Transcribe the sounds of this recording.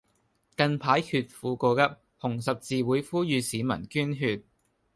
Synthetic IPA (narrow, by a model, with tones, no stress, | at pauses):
kɐ˧npʰaː˨˥jhʰyː˧t̚fuː˨˧koː˧kɐ˥p̚ | hʊ˨˩ŋs̬ɐ˨p̚t͡siː˨wuː˨˥jfuː˥jyː˨˧siː˨˥mɐ̰˨˩nkyː˥nɦyː˧t̚